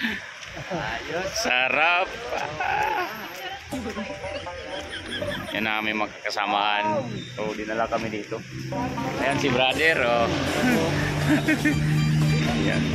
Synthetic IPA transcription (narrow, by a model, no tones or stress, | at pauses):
ajosaɾap̚ | janamimaŋkakəsamaʔanɾodinalakamidit̪u | ajaŋsibɾadɛɾo | ja̰